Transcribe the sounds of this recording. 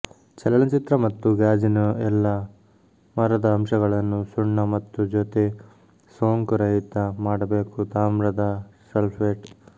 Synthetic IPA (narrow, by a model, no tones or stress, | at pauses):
t͡ʃɛlɐɭɐt͡ʃit̪ɾɐmɐt̪ːuɡaːd͡ʒinuɛlːɐ | mɐɾɐd̪ɐːmʃɐɡɐɭɐnːusuɳːɐmɐt̪ːud͡ʒoːt̪e̞ | soːŋkuɾɐɦit̪ːɐmaːɽɐbeːkut̪aːmɾɐd̪ɐsɐlpʰʋeːʈ